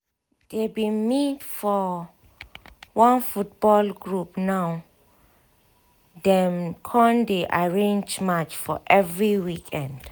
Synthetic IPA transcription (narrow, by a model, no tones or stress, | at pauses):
d̥ɛbimitfɔ | wãnfut̚bɔlɡɹupnaw | dɛmkʰɔ̃ndeʔaɹẽnd͡ʒmat͡ʃfɔʔɛvɹiwikʰɛ̃nd